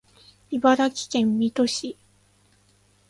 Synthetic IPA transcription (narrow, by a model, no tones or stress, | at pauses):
ibaɾakʲi̥kẽ̞mːʲit̪o̞ɕi